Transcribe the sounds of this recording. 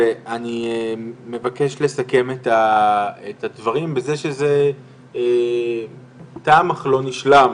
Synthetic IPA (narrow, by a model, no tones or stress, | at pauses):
veʔani | me̞vake̞ʃle̞sake̞metaetadvaʁimbezeʃeze̞ | e | taːmaχlo̞niʃlam